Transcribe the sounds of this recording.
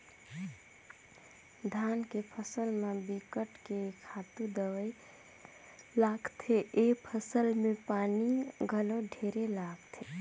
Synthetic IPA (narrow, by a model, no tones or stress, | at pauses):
d̪ʱankepʰəsəlmebikəʈkekʰat̪ũd̪əʋəj | laɡt̪ʰeʔepʰəsəlmepaniɡʱəloɖʱeɾelaɡt̪ʰe